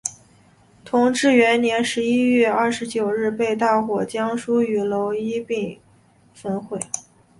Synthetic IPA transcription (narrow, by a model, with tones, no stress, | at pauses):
t̪ʰʊ˧˥ŋʈ͡ʂɻ̩˥˩ɥɛ˧˥nnjɛ˧˥nʂɻ̩˧˥i˥ɥɛ˥˧ɐ˥˩ʂɻ̩˧˥t͡ɕjo˨˩ʊɻɻ̩˥˧pe˥˧ɪt̪a˥˩xwɔ˨˩t͡ɕjɑ˥ŋʂu˥y˨˩lo˧˥ʊi˥pi˥˩ŋ | fə˥nxwe˥˩ɪ